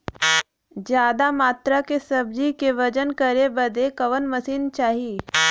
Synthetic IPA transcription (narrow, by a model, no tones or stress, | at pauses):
d͡ʒjaːd̪amaːt̪ɾakesɐb̚d͡ʒikeʋɐd͡ʒənkəɾebɐd̪ekɐʋənməsiːnt͡ʃaːɦiː